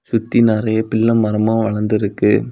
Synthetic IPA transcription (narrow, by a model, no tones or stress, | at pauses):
sʊt̪ːinɐɾɐjɐpɪlːɐmːɐɾɐmɐ̃ʋɐɭɐnd̪ɪɾɯkːɯ